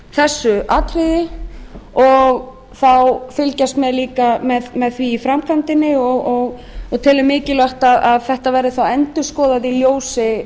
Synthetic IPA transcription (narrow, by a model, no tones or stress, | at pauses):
θɛsːʏʔaːt̪ɾɪðɪ | ɔɣ | θawfɪlcast̪mɛðliːkamɛðmɛðθviːfɾamkʰant̪ɪnːɪɔɣɔɣɔt̪ʰɛːlʏmːɪːcɪlœht̪aðaðθɛht̪avɛɾɪθawɛnt̪ʏ̥skɔːðaðiljoːwsɪ